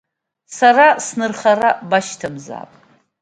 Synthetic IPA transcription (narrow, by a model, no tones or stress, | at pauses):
sarasnɨrχarabaʃtʰamza̰ːpʼ